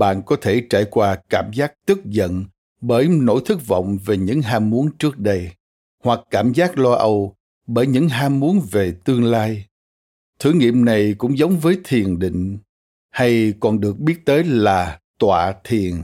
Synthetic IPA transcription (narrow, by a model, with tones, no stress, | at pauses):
ɓa̰ː˧˨nkɔ˨˦t̪ʰe˧˩t͡ɕaː˧˩jkwaː˧kaː˧˩mzaː˦˥k̚t̪ɨ˦˥k̚zə̰˧˨n | ɓəː˧˩jno̰˧˥jt̪ʰɨ˦˥k̚vɔ̰˧˨wŋ͡mve˨˩ɲɨ̰˧˥ŋɦaː˧mːu˨˦ənt͡ɕɨ˦˥ək̚ɗə˧j | hwa˨˩kːaː˧˩mzaː˦˥k̚lɔ˧ʔə˧w | ɓəː˧˩jɲɨ̰˧˥ŋɦaː˧mmu˨˦ənve˨˩t̪ɨ˧əŋlaː˧j | t̪ʰɨ˧˩ŋḭ˧˨əmna˨˩jkʊ̰˧˥ŋ͡mzə˨˦wŋ͡mvəː˨˦jt̪ʰi˨˩ənɗḭ̈˧˨ŋ̟ | ha˧jkɔ˨˩nɗɨ˨˩ək̚ɓi˦˥ət̚t̪əː˨˦jlaː˨˩t̪wa̰ː˧˨t̪ʰi˨˩ən